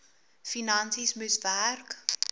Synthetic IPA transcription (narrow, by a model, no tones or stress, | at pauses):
finãnsismɪsværk